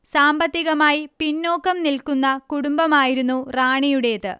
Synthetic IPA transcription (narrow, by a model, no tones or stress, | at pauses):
saːmbɐt̪ːiɣɐmaːjipinːo̞ːkːɐmnilkunːɐkuɽumbɐmaːjiɾunːuraːɳijuɽe̞ðɨ̰